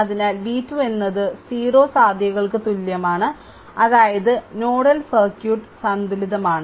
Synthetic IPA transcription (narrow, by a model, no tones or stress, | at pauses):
ɐðinaːlʋiːtːue̞nːɐðɨsiːro̞ːsaːd̪ʱjɐɣɐɭkɨt̪ulːjɐmaːɳɨ | ɐðaːjɐðɨno̞ːɽɐlsɐrkjuːʈːsɐnd̪ʱiliðɐmaːɳɨ